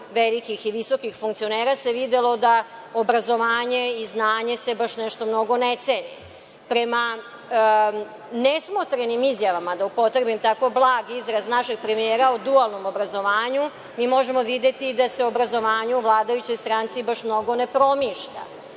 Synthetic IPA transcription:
ʋelikixiʋiso̞kixfuŋkt̪sioneːɾase̞ʋid̪elo̞d̪aobɾazo̞ʋaːɲe̞iznaːɲe̞se̞baʃnɛʃt̪o̞mno̞ɡo̞net̪senḛ | pɾema | nesmot̪ɾenimizjaʋamad̪aupo̞t̪ɾebimt̪ako̞blˠaːɡizɾaznaʃeɡ̥̚pɾemijeːɾaod̪ualˠnomobɾazo̞ʋaːɲu | miːmo̞ʒe̞mo̞ʋid̪et̪id̪aseobɾazo̞ʋaːɲuuʋlˠaːd̪ajut͡ɕo̞jst̪ɾant̪sibaʃmnoɡo̞ne̞pɾo̞miʃʎa̰

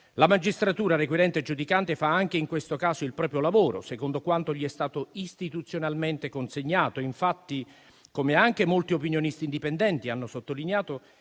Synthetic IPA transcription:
lamad͡ʒist̪ɾat̪uːɾaɾekwiɾɛnt̪ed͡ʒud̪ikant̪efaaŋk̟eiŋkwest̪okaːsoilpɾɔːpɾjolavoːɾo̰sekond̪okwant̪oʎiɛst̪aːt̪oist̪it̪ut̪sːjonalment̪ekonseɲːaːt̪oiɱfat̪ːi | komeaŋk̟emolt̪iopinjonist̪iːnd̪ipɛnd̪ɛnt̪ianːosot̪ːolineaːt̪o

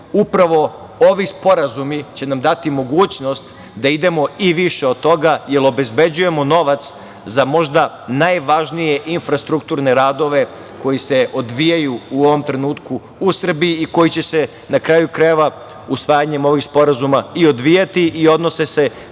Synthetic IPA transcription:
upɾaʋo̞ | o̞ʋispo̞ɾazumit͡ɕe̞namd̪at̪imo̞ɡuːt͡ɕno̞st̪ | d̪aid̪e̞mo̞iʋiʃeod̪̚t̪o̞ɡaje̞lo̞be̞zbe̞d͡ʑuje̞mo̞no̞ʋat̪s | zamo̞ʒd̪a | najʋaʒnijeʔinfɾast̪ɾukt̪uːɾne̞ɾaːd̪o̞ʋe̞ | ko̞jise̞ʔo̞d̪ʋijajuuo̞ʋo̞mt̪ɾe̞nuːt̪kuː | sr̩biiːko̞jit͡ɕe̞se̞ | nakɾaːjukɾajeʋa | usʋaːjaɲe̞mo̞ʋixspo̞ɾazumaio̞d̪ʋijat̪iʔio̞d̪no̞sese̞

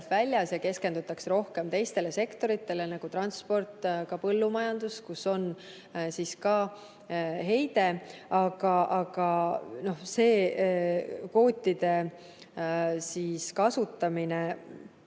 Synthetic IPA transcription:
t̪vælʲjɑsjɑke̞ske̞nd̪ut̪ːˑɑksro̞hke̞mt̪e̞jst̪e̞le̞se̞kt̪o̞ɾit̪ːˑe̞le̞nɑɡ̥ut̪ɾɑnspo̞rt̪ːˑkɑpɤ̞lːumɑjɑnd̪̥uskuso̞n | siskɑː | ɦe̞jd̪e̞ɑɡ̥ɑɑɡ̥ɑno̞hse̞ː | ko̞ːt̪ʲːid̪̥e̞ | siːskɑsut̪ːˑɑmine̞

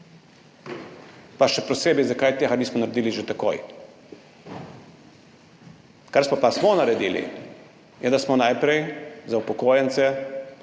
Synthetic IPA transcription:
paʃɛpɾɔseːbizakajt̪examismɔnaɾed̪iːliʒet̪ako̰j | kaɾsɔpasmɔnaɾɛd̪ḭːlḭ | jɛd̪asmɔnajpɾɛjzaupɔkoːjɛnt̪sɛ

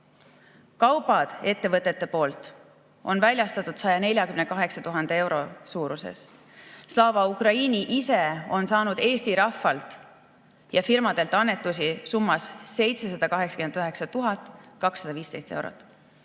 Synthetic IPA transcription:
kɑwb̥ɑd̪̥e̞t̪ːe̞vɤt̪ːˑe̞t̪ːˑe̞po̞ːlt̪ˑ | ʔo̞nvælʲjɑst̪ɑt̪ːˑud̪̥sɑjɑne̞lʲjɑkymnekɑɦe̞ksɑt̪uɦɑnd̪ee̞wɾo̞suːɾusḛs | slɑːvɑukrɑinʲiʔise̞o̞nsɑːnud̪̥e̞ːst̪iɾɑfːɑlt̪ˑ | jɑfirmɑd̪̥e̞lt̪ːˑɑnːe̞t̪ːˑus̬isumːɑsse̞jt̪se̞s̬ɑd̪̥ɑkɑɦe̞ksɑ̥kymenyɦe̞ksɑt̪uɦɑt̪ːˑkɑksːɑd̪ɑviːst̪e̞jst̪ewɾo̰t̪ːˑ

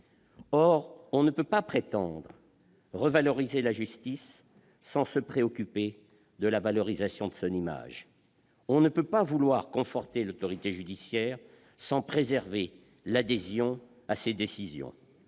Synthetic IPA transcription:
ɔʁɔ̃nəpøpapχet̪ɑ̃d̪ʁ | ʁəvalɔʁizelaʒyst̪isː | ɑ̃səpχeɔkʲype | d̪əlavalɔʁizasjɔ̃d̪əsɔ̃nima̰ʒ | ɔ̃nəpøpavulwaʁkɔ̃fɔʁt̪elot̪ɔʁit̪eʒyd̪isjɛːʁ | sɑ̃pχezɛʁve | lad̪ezjɔ̃ | ased̪esizjɔ̰̃

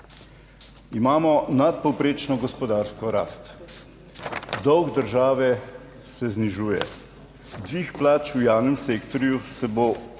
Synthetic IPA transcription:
imaːmɔnat̪̚pɔwpɾeːt͡ʃnɔɡɔspɔd̪aːɾskɔɾa̰ːst̪ | d̪ɔwɡd̪əɾʒaːʋɛ | sɛzniʒuːjɛ̰ | d̪ʋiːxplaːt͡ʃujaːwnɛmseːkt̪ɔɾjusɛbo

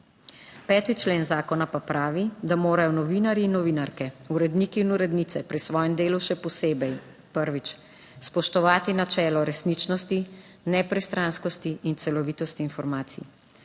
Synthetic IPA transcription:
pɛːt̪it͡ʃleːnzaːkɔnapapɾaːʋid̪amoːɾajɔnɔʋinaɾiːnːɔʋinaɾkɛuɾɛd̪niːkiːnuɾɛd̪niːt̪sɛpɾisʋɔːjɛmd̪eːluʃɛpɔseːbɛj | pəɾʋit͡ʃ | spɔʃt̪ɔʋaːt̪inat͡ʃɛːlɔɾɛsniːt͡ʃnɔst̪i | nɛpɾɛst̪ɾanskɔst̪iːnt̪sɛlɔʋiːt̪ɔst̪iːnfɔɾmaːt̪sḭ

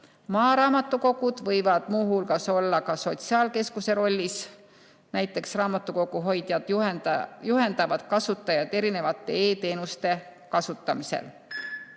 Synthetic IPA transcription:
mɑːɾɑːmɑt̪ːˑuko̞ɡ̥ud̪̥vɤjvɑd̪̥muːɦulɡ̥ɑso̞lːɑkɑso̞t̪siɑːlke̞skuse̞ɾo̞lʲːis | næjt̪ːˑe̞ksrɑːmɑt̪ːˑuko̞kuɦojd̪̥jɑd̪̥ | juɦe̞nd̪ɑvɑd̪̥kɑsut̪ːˑɑjɑd̪e̞ɾine̞vɑt̪ːˑe̞eːt̪e̞ːnust̪e̞ | kɑsut̪ːˑɑmise̞̰l

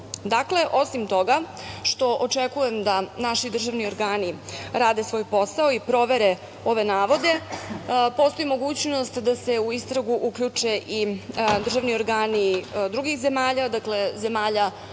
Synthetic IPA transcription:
d̪akle̞ʔo̞simt̪o̞ɡa | ʃt̪o̞ʔot͡ʂekujemd̪anaʃid̪r̩ʒaʋnio̞ɾɡaːniɾaːd̪esʋo̞ːjpo̞saoipɾo̞ʋe̞ɾe | o̞ʋe̞naːʋo̞d̪e̞ | po̞st̪o̞imo̞ɡuːt͡ɕno̞st̪d̪aseuist̪ɾaɡuʔukʎut͡ʂeʔid̪r̩ʒaʋnio̞ɾɡaːnid̪ɾuɡixze̞maːʎad̪akle̞ze̞maːʎa

